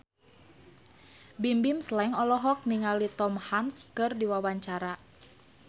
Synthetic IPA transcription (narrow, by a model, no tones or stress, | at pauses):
bimbimslɛŋɔlɔɦɔk̚niŋalit̪ɔmhanskɨrdiwawaɲt͡ʃaɾa